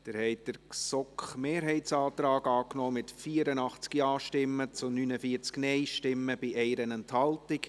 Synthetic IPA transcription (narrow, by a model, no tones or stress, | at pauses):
d̥ɪɾhɛɪd̥əɾsɔkχmeːɾɦɛɪtt͡sɑːt̪ɾɑːɡɑːknɔːmɪtfiːəɾənɑχt͡skiɑːʃtɪmːət͡sʊnynəfiːt͡sknɛɪʃtɪmːəb̥ɪʔɛɪɾənɛnthɑltɪk